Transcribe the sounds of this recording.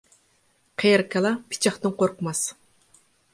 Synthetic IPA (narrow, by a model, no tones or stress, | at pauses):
qʰejɪɾkʲʰɛlˠɑpʰɪ̥t͡ʃʰɑχt̪ɨnqʰoɾqʰəmɑs